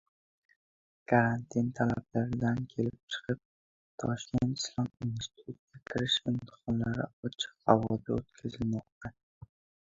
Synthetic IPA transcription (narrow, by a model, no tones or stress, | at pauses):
kʰaɾant̪ʰɪnt̪ʰalablaɾɪd̪ankʲʰe̞lɪp̚t͡ʃʰɨ̥qʰɨp̚ | t̪ʰɒʃkʲent̪ɪ̥slˠɒminst̪i̥t̪ʰut̪̚kʲakʲʰɪɾɪʃɪmt̪ʰɨ̥χɒnlaɾɪ̰ɒt͡ʃʰɪ̥qhavɒd̪a̰ot̪kʲʰazɪlmɒq̚t̪a